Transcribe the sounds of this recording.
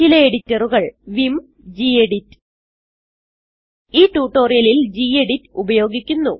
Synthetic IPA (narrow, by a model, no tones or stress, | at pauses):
ilɐeɽitːɐruɣɐɭʋim | d͡ʑieɽitː | iːʈːuːʈːo̞ːrijɐlild͡ʑiːe̞ɽitːubɐjo̞ːɡikʲːunːu